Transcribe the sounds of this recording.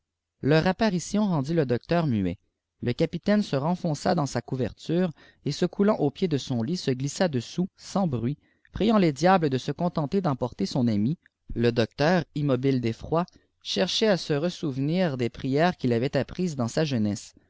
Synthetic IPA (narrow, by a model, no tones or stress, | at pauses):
lœʁapaʁisjɔ̃ʁɑ̃d̪iləd̪ɔk̚t̪œːʁmyɛ̰ | ləkʲapit̪ɛnsəʁɑ̃fɔ̃sa̰d̪ɑ̃sakuvɛ̰ʁt̪yːʁ | esəkʰulɑ̃ʔopjed̪əsɔ̃lisəɡlisad̪əsusɑ̃bʁɥi | pχijɑ̃led̪jabləd̪əsəkɔ̃t̪ɑ̃t̪ed̪ɑ̃pɔʁt̪esɔ̃nami | ləd̪ɔk̚t̪œːʁimɔbild̪efχwa | ʃɛʁʃɛasəʁəsuvniːʁd̪epχijɛːʁkʲilavɛt̪apχiːzd̪ɑ̃saʒənɛs